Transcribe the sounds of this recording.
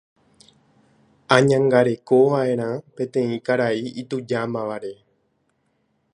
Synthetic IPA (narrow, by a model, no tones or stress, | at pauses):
ãɲãŋɡaɾe̞ko̞ʋaʔẽ̞ɾ̃ãpẽ̞t̪ẽ̞ĩkaɾaiit̪ud͡ʒamãʋaɾe̞